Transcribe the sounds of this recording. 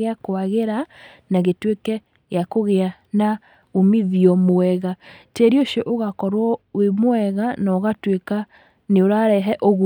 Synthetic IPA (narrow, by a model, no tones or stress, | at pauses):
eakoaɣeɾa | naɣetwekɛ | ɣeakoɣeana | omiðiɔmoɛɣatɛɾioʃɔʔoɣakɔɾwɔwemwɛɣanɔɣatweka | neoɾaɾɛɦɛʔɔɣu